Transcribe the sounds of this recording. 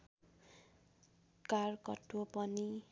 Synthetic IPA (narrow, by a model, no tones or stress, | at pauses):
karkʌtʰwopʌni